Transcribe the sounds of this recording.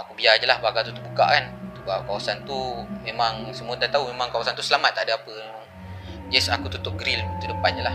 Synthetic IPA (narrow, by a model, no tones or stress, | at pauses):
akubiad͡ʒəlahbaɡalt̪ut̪ubuka̰ʔkant̪ubakawasant̪umemaŋsəmuət̪at̪aumemaŋkawasant̪usəlamat̪ːaʔdaapə | uŋ | d͡ʒɛsakut̪ut̪ʊp̚ɡɾilt̪udəpanəlah